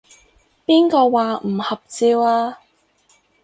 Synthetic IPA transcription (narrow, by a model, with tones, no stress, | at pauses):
piː˥nkɔː˧waː˨m̩˨˩hɐ˨p̚t͡siː˧waː˧